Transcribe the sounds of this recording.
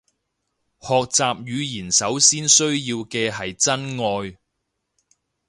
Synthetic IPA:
hɔː˨k̚t͡saː˨p̚jyː˨˧jiː˨˩nsɐ˨˥wsiː˥nsɵ˥ɥjiː˧wkɛː˧ɦɐ˨jt͡sɐ˥nŋɔː˧j

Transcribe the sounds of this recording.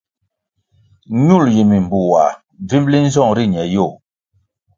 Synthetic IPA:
ɲu˦˨lji˨mi˨m˨bu˨wa˨ | vi˦mbli˦n̩˦zɔ˦˨ŋɾi˦˨ɲɛ˨jo˦˨

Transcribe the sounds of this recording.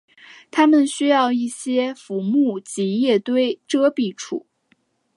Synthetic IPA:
t̪ʰa˥mə˨nɕy˥jɑ˥˧ʊi˥˩ɕjɛ˥fu˧˥mu˥˩t͡ɕi˧˥jɛ˥˩t̪we˥˩ɪʈ͡ʂɤ˥pi˥˩ʈ͡ʂʰṵ˨˩˦

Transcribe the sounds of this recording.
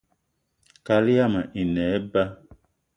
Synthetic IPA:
ka˨li˦a˦ma˨ʔi˨nɛ˨˦ba˦

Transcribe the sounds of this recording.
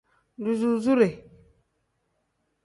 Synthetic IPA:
du˨zu˦zu˦ɾe˨

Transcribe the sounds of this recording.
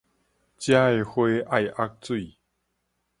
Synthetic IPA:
t͡ɕja˦e˨˧hwe˦ʔa˥˨jʔa˦˥k̚t͡swi˥˨

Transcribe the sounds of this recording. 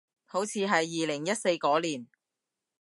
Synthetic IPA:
ho˨˥wt͡sʰiː˨˧ɦɐ˨jːiː˨lɪ˨˩ŋjɐ˥t̚se˧jkɔː˨˥liː˨˩n

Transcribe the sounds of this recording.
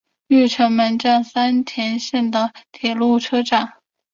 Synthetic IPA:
y˥˩ʈ͡ʂʰɤ˧˥ŋmə˧˥nʈ͡ʂa˥˩ŋsa˥nt̪ʰjɛ˧˥nɕɛ˥˩nd̪ə˩t̪ʰjɛ˨˩lu˥˩ʈ͡ʂʰɤ˥ʈ͡ʂɑ˨˩˦ŋ

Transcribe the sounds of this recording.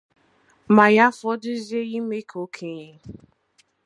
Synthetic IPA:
ma˨ja˦fɔ˦dʊ˦zi˦e˦ɣi˦me˦kʰo˨˦kʰe˦ɲe˦

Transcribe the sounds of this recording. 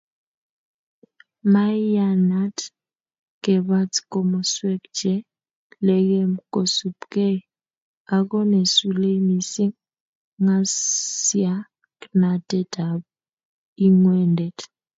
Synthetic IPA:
ma˦a˦na˦t | kɛ˨βa˦tko˨mɔ˨swɛ˦kd͡ʒɛ˦ | lɛ˨kɛ˦mko˨su˨pkɛ˦ | a˨kɔ˦ne˨su˨le˦mi˨si˦ŋ | ŋa˦sja˦ | kna˨tɛ˦da˨b | i˦ŋwɛ˦ndɛ˨t

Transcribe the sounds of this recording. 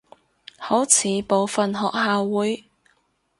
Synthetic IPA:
ho˨˥wt͡sʰiː˨˧po˨wfɐ˨nɦɔː˨k̚haː˨wːuː˨˥j

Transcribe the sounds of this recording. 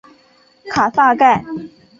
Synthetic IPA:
kʰa˨˩sa˥˧ka˥˩ɪ

